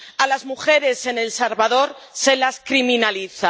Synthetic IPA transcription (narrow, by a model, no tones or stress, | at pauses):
alazmuxe̞ɾe̞se̞ne̞lsaɾβaðo̞ɾse̞laskɾimĩnaliθa